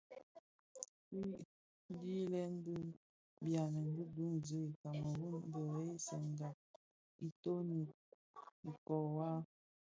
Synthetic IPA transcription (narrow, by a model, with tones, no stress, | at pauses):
i˦ | di˦lɛ˦n˦də˦ | bja˨nə˨n˦də˦du˦ŋzə˦i˨ka˨mə˨wu˦n˦dɔ˨e˦i˦sə˨ŋɡa˨ | i˨to˦ni˨ | i˨kɔ˨wa˦